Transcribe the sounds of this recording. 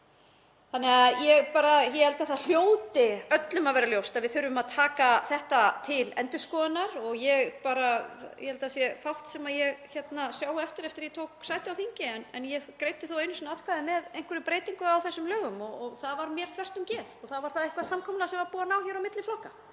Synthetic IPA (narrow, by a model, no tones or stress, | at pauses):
θanːɛɣajɛɣpaːɾajɛhɛlt̪aθaðl̥joːwt̪ɪœt̪lʏmaðvɛːɾaljowst̪aðvɪðθʏɾʏvʏmaðt̪ʰaːkaθɛht̪at̪ʰɪlɛ̰nt̪ʏ̥skɔːðɪnːaɾɔɣjɛɣpaːɾajʔɛhɛlt̪asjɛfawht̪sɛmaðjɛɣçɛt̪nasjawɛft̪ɪɾɛft̪ɪɾjɛt̪ʰowksaːjt̪ɪawθiɲcɪɛnɛnjɛkɾeːjt̪ɪθowejnʏsɔnat̪̚kʰvajðɪmɛðejŋ̥kvʏɾɪpɾeːjt̪iŋkʏawθɛsːʏmlœːɣʏmɔɔɣθaðvaɾmjɛɾ̥θʰvɛr̥t̪ʏmcɛːlɔθaðvaɾ̥θaðejhkvaðsamkʰɔmlasɛmvaɾpuːanaːwçɛɾawmɪt̪lɪflɔhka